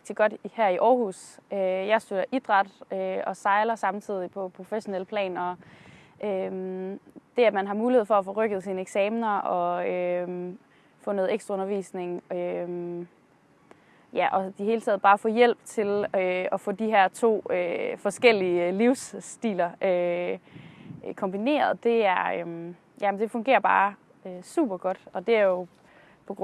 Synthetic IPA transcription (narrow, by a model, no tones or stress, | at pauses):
ɡ̥̚d̥iɡ̥ɒ̽d̥hæɐ̰iʔɒːhusøjɑ̈ɪsd̥øɐʔid̥ʁɑ̈d̥øɒ̽sɑ̈ɪlɐsɑ̈mt͡sʰið̞̰ˠipʰɒ̽pʰʁo̝feɕo̝nel̰pʰlɛ̰ːnɒ̽ | ømd̥e̝æd̥mænɦɑ̈muːlihe̝ð̩̰ˠfɒ̽æfɔ̽ʁœɡ̥əð̞̩ˠsiːnəeɡ̥sɛːmnɐɒ̽ø | fɔ̽no̽ð̞̩ˠeɡ̥sd̥ʁɑɔ̽nɐʋḭːsne̝ŋøm | jæʔɒ̽d̥ihe̝ːlət͡sʰɛ̰ð̞̩ˠb̥ɑ̈ːfɔ̰̽ːjel̰b̥t͡sʰe̝løɒ̽fɔ̰̽ːd̥iɦæɐ̰t͡sʰo̝̰ːøfɒ̽sɡ̥el̰iəliʊsd̥ḭːlɐø | kʰɒ̽mb̥ine̝̰ːɐð̞ˠd̥e̝æɐøm | jæmnd̥e̝fɔ̽ŋɡe̝̰ːɐb̥ɑ̰̈ː | øsṵːb̥ɐɡ̥ɒ̽d̥ɒ̽d̥e̝æɐjo̝ | pʰɒ̽ɡ̥ʁ